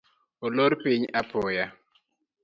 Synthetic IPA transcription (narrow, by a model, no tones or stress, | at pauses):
oloɾpɪɲapʊja